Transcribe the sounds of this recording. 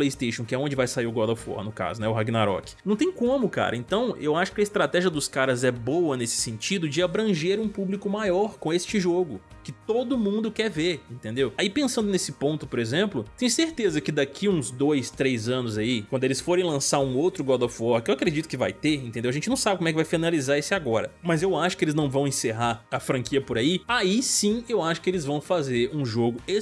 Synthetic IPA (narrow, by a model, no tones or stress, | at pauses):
plejist̪ejʃõkɪɛõd͡ʒɪvajsaiɾʊɡɔd̪ɔfɔ̰ɾnʊka̰zʊnɛʊɦaɡinaɾɔ̰kɪ̥nɐ̃t̪ẽj̃kõmʊka̰ɾɐ̰ẽnt̪ɐ̃w̃ʔewaʃʊ̥kɪɐɪst̪ɾat̪ɛʒiɐd̪ʊskaɾɐzɛbowɐnesɪ̥sẽnt͡ʃid̪ʊd͡ʒɪabɾɐ̃ʒeɾũpublikʊmajɔɾkõest͡ʃɪʒoɡʊkɪt̪od̪ʊmũnd̪ʊkɛɾveɾĩnt̪ẽnd̪ewaipẽsɐ̃nd̪ʊnesɪpõnt̪ʊpoɾezẽmplʊt̪ẽj̃ʊseɾt̪ezɐkɪd̪akʰiũzd̪ojst̪ɾejzɐ̃nʊzaikwɐ̃d̪ʊelɪsfoɾẽj̃lɐ̃saɾũowt̪ɾʊɡɔd̪ɔfɔɾkɪewakɾed͡ʒit̪ʊkɪva̰jt̪eɾĩnt̪ẽd̪ewɐʒẽnt͡ʃɪnɐ̃w̃sabɪkomwɛkɪvajfinalizaɾesɪaɡɔɾɐ̰mɐzewaʃʊ̥kɪelɪznɐ̃w̃vɐ̃w̃ẽseɦaɐfɾɐ̃kiɐpʊɾaiaisĩewaʃʊ̥kɪelɪzvɐ̃w̃fazeɾũʒoɡʊe